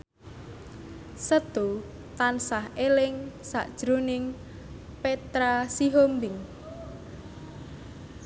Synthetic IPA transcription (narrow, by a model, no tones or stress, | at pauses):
səd̪̥o | t̪ansahelɪŋsa̰ʔd̥ʒ̥ɾonɪŋ | pet̪ɾasiɦombɪŋ